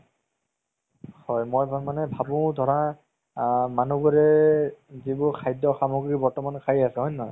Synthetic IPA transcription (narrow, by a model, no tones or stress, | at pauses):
hɔjmojbmanɛbʱabũd̪ʱɔɹa | manuɡuɹɛ | zibʊkʰajdɔxamɔɡɹibɔɹtɔmankʰajasɛɦɔjnɔj